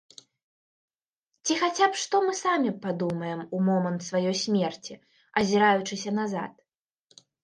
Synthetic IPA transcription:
t͡sʲixat͡sʲapʂt̪ɔmɨsamʲipad̪umɐjɛmumɔmɐnt̪svajɔjsʲmʲɛrt͡sʲi | ɐzʲiɾajut͡ʂɨsʲɐnaza̰t̪̚

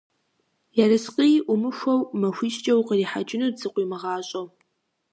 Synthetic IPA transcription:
jɛrɨsqʼijʔʷʊmɨʃʷɐwmɐxʷiːʃʼt͡ʃʼɐwqəriːħa̰t͡ʃʼɪnɨrzɨqʷʼiːmɨʁɑːɕʼɐw

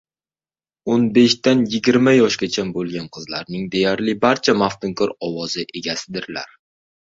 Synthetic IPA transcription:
onbe̞ʃt̪anjɪɡʲɪɾmajɒʃkʲat͡ʃʰanbolˠɡʲanqʰɨzlaɾnɪŋd̪e̞jaɾlɪbaɾt͡ʃʰamaft̪ɪŋkʰɒɾɒwɒzɪʔe̞ɡʲasɪd̪ɪɾla̰ɾ

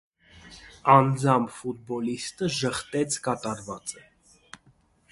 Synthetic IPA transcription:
ɑnd͡zɑmfut̪̚bɔlist̪əʒəχt̪ɛt͡sʰkɑt̪ɑɾvɑt͡sə

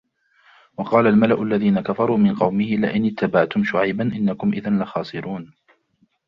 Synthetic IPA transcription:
wɑqɑːlalmalaʔʊlːaðiːnakafɑɾˤuːmɪnqɑwmɪhɪlɪʔɪnɪt̪ːabaʕt̪ʊmʃʊʕajbanʔɪnːakʊmʔɪðanlaxɑːsˤɨɾuːn

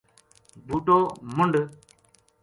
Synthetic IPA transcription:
ɡ͡butomundə

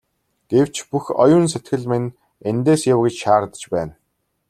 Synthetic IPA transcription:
ɡ̥ew̥t͡ɕpuxɔjʊːns̬et̪ɡɘ̆ɮmenʲ | ent̪eːsjawɡĕt͡ɕʃaːrt̪ə̥̆t͡ɕpæːn

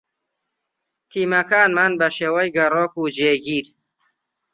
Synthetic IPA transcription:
t̪ʰiːmɐkaːnmanbɐʃeːwɐjɡɐroːkud͡ʒeːɡiːɾ

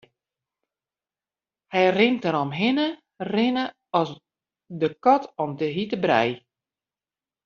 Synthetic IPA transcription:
hɛjrɪntəɾɔmɦɪnə | rɪnə | ɔs | dəkɔtʰɔmtəɦitəbrɛ̰j

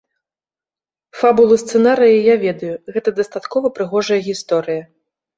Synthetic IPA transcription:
fabulˠɨst̪sɛnaɾɨjɐjavʲɛd̪ɐjuɣɛt̪ɐd̪ɐst̪at̪kɔvɐpɾɨɣɔʐɐjɐɣʲist̪ɔɾɨjɐ

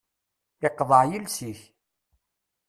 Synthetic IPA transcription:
ɪqːðˤəʕjilsiç

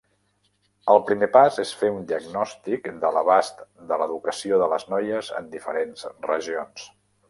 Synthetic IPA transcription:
əlˠpɾimepazesfeund̪iəɡnɔst̪ikd̪ələβast̪d̪ələðukəsioðələznɔjəzə̰nd̪ifəɾenzrəʒions

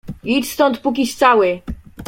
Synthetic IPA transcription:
iʈ͡ʂst̪ɔnt̪puk̬ʲiɕt̪sawɘ

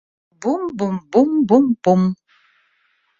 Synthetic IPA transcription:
bumbumbumbumbum

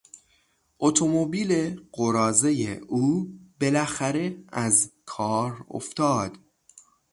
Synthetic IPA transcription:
ʔot̪ʰomobiːleɢoɾɒːzejḛuːbelæxæɾe̞æzkʰɒːɾo̰ft̪ɒːd̪̥

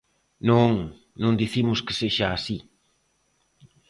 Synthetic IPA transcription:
nõŋ | nõnd̪iθimʊske̥seʃaːsi

